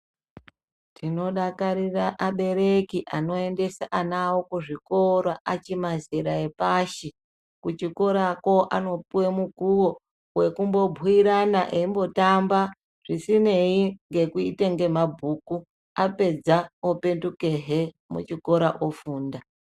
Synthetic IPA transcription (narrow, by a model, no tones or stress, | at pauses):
tʰino̞ɗakaɾiraʔaɓe̞ɾekiʔano̞e̞nde̞saʔanawokuʐikoɾaʔat͡ʃimazeɾaepaʃi | kut͡ʃiko̞ɾako̞ʔa̰no̞puwemukuwo̞ | we̞kumbo̞bʱiiɾanaʔeimbo̞tamba | ʐ̥isine̞iŋɡe̞kuiteŋɡe̞mabʱuːku | ape̞d͡zaope̞ntuke̞ɦe | mṵt͡ʃiko̞ɾaʔofuːnda